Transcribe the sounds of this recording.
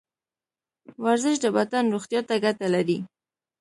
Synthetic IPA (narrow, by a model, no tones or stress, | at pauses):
waɾzəʃ̬d̪əbat̪anɾoxt̪jɑt̪aɡat̪alaɾi